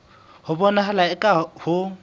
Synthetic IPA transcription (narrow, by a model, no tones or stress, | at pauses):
hʊbɔnaɦalaɛkʼahʊ